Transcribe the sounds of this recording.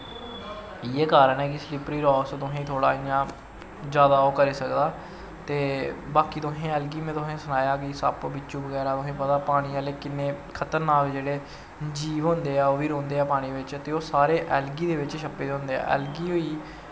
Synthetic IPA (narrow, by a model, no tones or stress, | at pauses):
iːeːkaːɾənɛːk̬ɪslɪpɾiːɾɔːkst̪ʊɦẽːt̪ʰoːɽaːɪjãː | d͡ʒjaːd̪aːoːkəɾiːsəkd̪aː | t̪eːbaːkiːt̪ʊɦẽːɛːlɡiːmẽːt̪ʊɦẽːsənaːjaːkiːsə̰pbɪt͡ʃːʃũːbəɡɛːɾaːt̪ʊɦẽːpət̪aːpaːɽ̃iːaːleːkɪnːeːkʰət̪əɾnaːkd͡ʒeːɽeː | d͡ʒiːʋɦõːnd̪eːaːoːʋiːɾõːnd̪eːɛːpaːɽ̃iːʋɪt͡ʃt̪eːoːsaːɾeːʔɛːlɡiːd̪eːʋɪt͡ʃʃəpeːd̪eʊ̃ːnd̪eːɛ̰ːɛ̰ːlɡiːoːiː